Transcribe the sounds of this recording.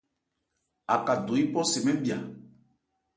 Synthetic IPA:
a˨ka˨do˨i˦pɔ˦sɛ˨mɛ̃˦bi˨a˨

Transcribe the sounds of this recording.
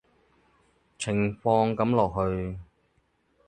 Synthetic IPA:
t͡sʰɪ˨˩ŋfɔː˧ŋkɐ˨˥mlɔː˨k̚ɦɵ˧ɥ

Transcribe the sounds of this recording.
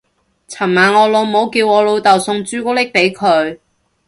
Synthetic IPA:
t͡sʰɐ˨˩mmaː˨nɔː˨˧lo˨˧wmo˨˧wkiː˧wɔː˨˧lo˨˧wt̪ɐ˨wsʊ˧ŋt͡ʃyː˥kɔ˥lɪ˥k̚pe˨˧˥jkʰɵ˨˧ɥ

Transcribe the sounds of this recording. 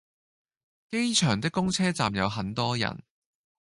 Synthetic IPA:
ke˥jt͡ʃʰœː˨˩ŋt̪ɪ˥kːʊ˥ŋt͡sʰɛː˥t͡saː˨mjɐ˨˧wɦɐ˨˥nt̪ɔː˥jɐ̰˨˩n

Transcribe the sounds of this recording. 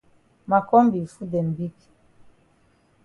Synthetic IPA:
ma˨kɔ˦mbi˨fu˦dɛ˨m˨bi˦k

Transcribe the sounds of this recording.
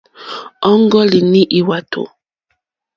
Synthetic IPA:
ɔ˦ŋ˦ɡɔ˦li˨ni˦ʔi˨wa˨tʰo̰˨

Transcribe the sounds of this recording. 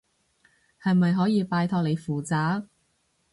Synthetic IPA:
hɐ˨jmɐ˨jɦɔː˨˥jiː˨˧paː˧jt̪ʰɔː˧k̚le˨˧jfuː˨˩t͡saː˨˥

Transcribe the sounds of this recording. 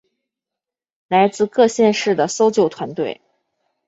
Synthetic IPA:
la˧˥ɪt͡sɹ̩˥˧kɤ˥˧ɕjɛ˥˧nʂɻ̩˥˩d̪ə˩so˥ʊt͡ɕjo˥˩ʊt̪ʰwa˧˥nt̪we˥˩ɪ

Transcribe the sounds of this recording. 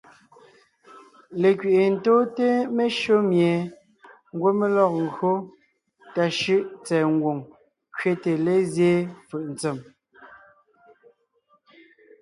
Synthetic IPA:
le˨kɥe˨ʔe˨n̩˦toː˦te˦me˦ʃo˦mje˨ | ŋ˦ɡwo˦me˦lɔ˦k̚ŋ̩˨ɡɰo˦ | ta˨ʃɯ˦ʔt͡sɛː˨ŋ˦ɡwo˨ŋ | kɥe˦te˨le˦zje˦fɯ˨ʔn̩˨t͡se˨m

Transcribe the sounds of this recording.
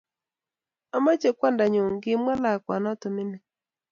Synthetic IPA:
a˨ma˦t͡ʃe˨kwa˦nda˨ɲo˨ŋɡɪ˦mwa˦la˨kwa˨nɔ˦tɔ˨mɪ˦nɪ˨

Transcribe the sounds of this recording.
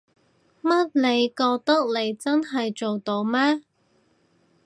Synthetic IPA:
mɐ˥t̚le˨˧jkɔː˧k̚t̪ɐ˥k̚le˨˧jt͡sɐ˥nɦɐ˨jt͡so˨wt̪o˧wmɛː˥

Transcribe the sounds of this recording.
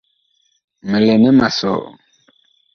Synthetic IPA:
mə˨le˨nɛ˦ma˨sɔ̰ː˨

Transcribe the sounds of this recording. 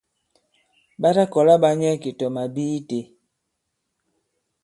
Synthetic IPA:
ba˦ɾa˦kɔ˨la˦ba˦ɲɛ˦ki˨tɔ˨ma˨biː˦te˨

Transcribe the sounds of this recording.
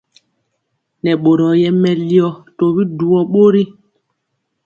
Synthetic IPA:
nɛ˨ɓo˨ɾɔ˨jɛ˦mɛ˨li˦ɔ˨to˨bi˦du˨ɔ˦ɓo˦ɾi˦

